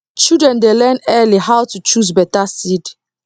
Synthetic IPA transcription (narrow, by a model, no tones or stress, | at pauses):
t͡ʃidɹɛ̃ndelɛnɛliɦawtut͡ʃuz̬bɛtasid